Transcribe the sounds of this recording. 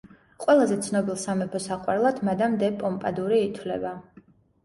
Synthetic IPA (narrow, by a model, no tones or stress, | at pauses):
qʼwɛlˠazɛt̪sʰnɔbilˠsamɛpʰɔsaqʼwaɾlˠad̪̥mad̪amd̪ɛpʼɔmpʼad̪uɾiːt̪ʰwlɛ̰ba